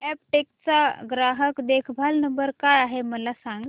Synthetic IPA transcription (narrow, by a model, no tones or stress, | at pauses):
ɛpʈek̚t͡saɡɾaɦəkd̪ekʰbʱalnəmbəɾkajaɦeməlasãŋɡ